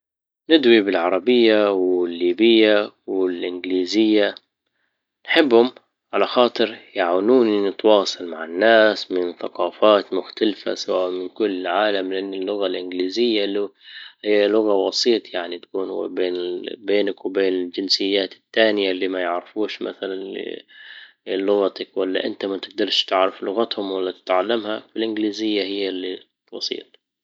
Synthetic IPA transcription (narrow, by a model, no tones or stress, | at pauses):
nɪd̪wibɪlʕɑɾˤɑbɪjːawɪlːiːbɪjːawɪlʔɪnɡliːzɪjːa | nħɪbːhʊm | ʕalaxɑːt̪ˤɨɾjaʕaːnuːninɪt̪wɑːsˤɑlmaʕɪnːaːsmɪnθaqɑːfaːt̪mʊxt̪alfa̰sawaːʔmɪnkʊlːʕaːlamlɪʔanːɪlːʊɣalʔɪnɡliːzɪjːalːuhɪjːalʊɣabɑsˤiːt̪ˤjaʕnit̪ḁkuːn̰beːnɪbeːnakwɪbeːnɪld͡ʒɪnsɪjːaːt̪ɪ̥t̪ːaːnɪjalːiːmajɪʕɾɪfuːʃmʔa̰θalanɪ̰ | lːʊɣat̪akwalːaʔɪnt̪amat̪ɪɡ̚d̪ɑɾˤʃt̪ɪʕɾɪflʊɣat̪hʊmwalːat̪ɪ̥t̪ʕalːamhafilʔɪnɡliːzɪjːahɪjːalːi | bɑ̰sˤḭːt̪ˤ